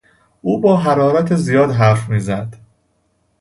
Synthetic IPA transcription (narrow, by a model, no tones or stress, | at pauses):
ʔuːbɒːɦæɾɒːɾæt̪ʰezijɒːd̪ɦæɾfmiːzæd̪̥